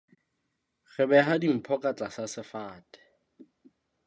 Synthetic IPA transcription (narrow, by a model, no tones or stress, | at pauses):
ɣɛbɛɦadim̩pʰɔkʼat͡ɬʼasasɪfaːtʼɛ̥